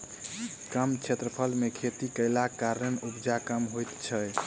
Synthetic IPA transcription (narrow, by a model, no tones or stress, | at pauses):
kəmt͡ʃʰet̪ɾəpʰəlmekʰet̪ikəjlakaɾənubd͡ʒakəmɦojt̪t͡ʃʰəj